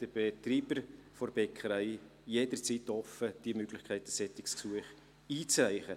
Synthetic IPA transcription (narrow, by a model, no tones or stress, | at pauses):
d̥əb̥et̪riːbəɾfɔɾb̥ɛkʰχəɾaɪ | jeːdəɾt͡sitɔfəd̥iəmøɡ̥lɪçkʰæɪtəsɛtɪksksuəχ | iːt͡sraɪχə